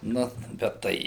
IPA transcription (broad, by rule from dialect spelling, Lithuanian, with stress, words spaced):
ˈnʊ bʲɛt ˈtɐɪ